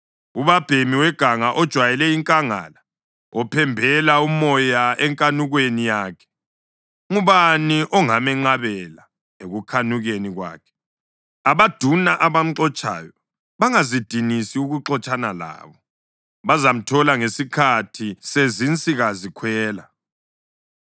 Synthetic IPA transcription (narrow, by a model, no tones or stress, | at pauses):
uβab̥ʱemiwɛɡ̥ʱaŋaʔɔd̥ʒ̥ʱwajɛlɛiŋkʼaŋa̰ːla | ɔpʰɛmbʱɛlaumɔjaɛŋkʼanuɣwenijaːkʰɛ̥ | ŋuβaniʔɔŋamɛŋ͡ǃaβɛla | eɣukʰanuɣeniɣwa̰ːkʰɛ̥ | aβad̥ʱunaʔaβam̩ǃɔt͡ʃʼa̰ːjɔ | βaŋazid̥ʱinisiuɣuǁɔt͡ʃʼanala̰ːβɔ | βazam̩tʰɔlaŋesikʰatʰisezint͡sʼiɣazikʰwɛːla